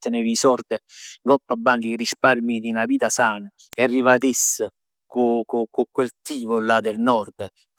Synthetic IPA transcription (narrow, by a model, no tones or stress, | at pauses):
ənevisɔrd̪eŋɡɔpːabːaŋɡirisparmid̪inaviːt̪asaːnə | ɛarːivat̪isːə | kukokokwelt̪iːvʊlːad̪elnɔrd̪ə